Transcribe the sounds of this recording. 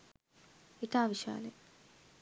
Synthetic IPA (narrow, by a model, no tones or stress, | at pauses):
et̪aːʋiʃa̰ːle